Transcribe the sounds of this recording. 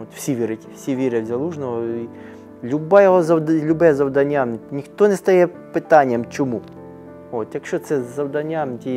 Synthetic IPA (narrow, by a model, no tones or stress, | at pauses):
ot̪fsʲiʋʲiɾɪtʲfsʲiʋʲiɾewzʲɐlˠuʐnɔɔi | lʲʊbajɛɦozɐlʲʊbɛzɐwd̪ɐnʲanʲnʲixt̪onɛst̪ɐjɛ | pɪt̪anʲɪjɐmt͡ʃɪmu | ot̪t̪ʲɐkʃot̪sɛzɐwd̪ɐnʲantʲi